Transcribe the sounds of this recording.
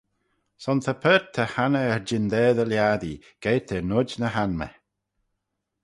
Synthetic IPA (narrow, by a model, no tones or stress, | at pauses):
sɔnt̪ʰəpʰəːt̪ʰəhanəɛɹd͡ʒɪnd̪ɛːðəljad̪i | ɡ̥eːt̪ʰənʊd͡ʒnəɦanmə̰